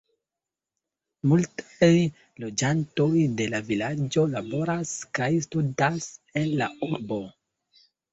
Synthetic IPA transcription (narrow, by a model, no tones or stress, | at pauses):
multaj | lo̞d͡ʒanto̞jde̞lavilad͡ʒo̞labo̞ɾaskajstudase̞nla̰uɾbo̞